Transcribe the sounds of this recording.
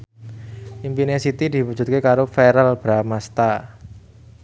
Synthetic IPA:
ʔimpinesit̪id̪̥i̤wud͡ʒ̥ṳt̪̚kekaɾofeɾəlb̥ɾamast̪a

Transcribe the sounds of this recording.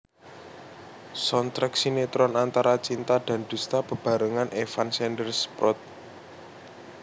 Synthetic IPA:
sɔnt̪ɾəksinet̪ɾɔnant̪aɾat͡ʃint̪ad̪̥a̤nd̪̥ust̪apə̤b̥a̤ɾəŋanʔefansɛndərspɾɔt̪̚

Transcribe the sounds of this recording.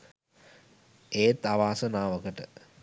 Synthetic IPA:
eːt̪aʋaːsənaːʋəkəʈə

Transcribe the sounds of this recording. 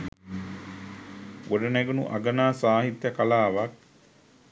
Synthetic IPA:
ʔoɖəneɡunṵʔaɡənaːsaːɦit̪jəkalaːʋak̚

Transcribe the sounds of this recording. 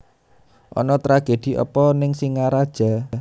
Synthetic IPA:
ʔɔ̰nɔt̪ɾaɡ̥ed̪̥i̤ʔɔ̰pɔnɪŋsiŋaɾad̥ʒ̥a̤

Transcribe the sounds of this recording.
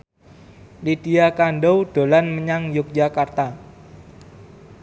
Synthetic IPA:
lidiakanɖɔwɖ̥o̤lanməɲaŋjʊk̚d͡ʒakart̪a

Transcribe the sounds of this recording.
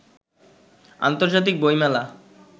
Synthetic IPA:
a̰nt̪oɾd͡ʑat̪̬ik̚bojmɛla

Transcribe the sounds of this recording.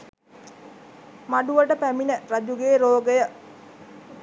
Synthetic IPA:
maɖuʋəʈəpæminərad͡ʒuɡeːɾoːɡəjə

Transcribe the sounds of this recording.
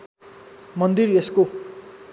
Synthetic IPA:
mʌnd̪iresko

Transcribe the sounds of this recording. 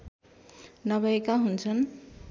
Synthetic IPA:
nʌβʌekaɦunt͡sʰʌn

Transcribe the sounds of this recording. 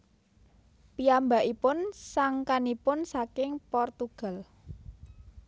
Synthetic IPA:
piamba̤ʔipʊnsaŋkanipʊnsakɪŋpɔrt̪uɡ̥a̤l

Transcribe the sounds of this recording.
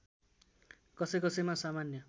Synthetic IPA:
kʌsʌjkʌsʌmasamanjʌ

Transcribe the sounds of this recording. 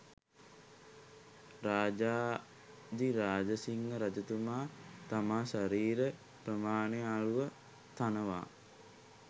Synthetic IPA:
ɾaːd͡ʒaː | d̪iɾaːd͡ʒəsiŋːəɾad͡ʒɐt̪umaːt̪amaːʃaɾiːɾə | prəmaːneaɭuʋə | t̪anəʋa̰ː

